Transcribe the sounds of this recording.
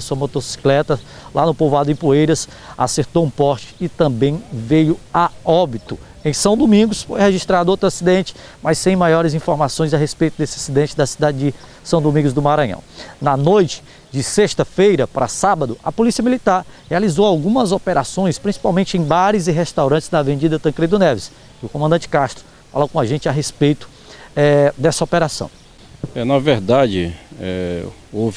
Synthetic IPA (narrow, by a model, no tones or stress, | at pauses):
ɐsuɐmot̪osi̥klɛt̪ɐ | lʔanʊpovuad̪ʊẽj̃puejɾɐs | a̰seɾt̪owũpɔɾt͡ʃɪ̥ɪt̪ɐ̃bẽj̃vejʊaɔbit̪ʊ | ẽj̃sɐ̃w̃d̪omĩɡʊsfo̰jheʒiʃt̪ɾad̪ʊowt̪ɾasid̪ẽt͡ʃɪ̥ | majsːẽj̃majɔɾɪzĩfoɾmasõj̃zɐɦespejt̪ʊd̪esɪasid̪ẽnt͡ʃɪd̪ɐsi̥d̪ad͡ʒɪd͡ʒɪ | sɐ̃w̃d̪õmĩɡʊzd̪ʊmaɾɐ̃ɲɐ̰̃w̃nɐnojt͡ʃɪ̥ | d͡ʒɪseʃt̪ɐfejɾɐpɾɐsabɐd̪ʊɐpolisiɐmilit̪aɾhealizowawɡũmɐzopeɾasõj̃spɾĩsi̥pawmẽnt͡ʃɪẽj̃baɾɪzɪɦest̪awɾɐ̃nt͡ʃɪzd̪ɐvẽnd͡ʒĩd̪ɐt̪ɐ̃kɾed̪unɛvɪs | kɪʊkõmɐ̃nd̪ɐ̃nt͡ʃɪ̥kast̪ɾʊ̥ | falokõaʒẽnt͡ʃɪaɦespejt̪ʊ̥ | ɛd̪ɛsɐopeɾasɐ̰̃w̃ | ɛnɐvɛɾd̪ad͡ʒɪɛ̰ | ov